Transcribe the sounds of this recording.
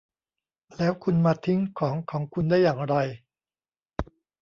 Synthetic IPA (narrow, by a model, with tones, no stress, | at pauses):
lɛː˦˥wkʰu˧nmaː˧t̪ʰi˦˥ŋkʰɔː˩˦ŋkʰɔː˩˦ŋkʰu˧ndaː˥˩jːaː˨˩ŋɾa˧j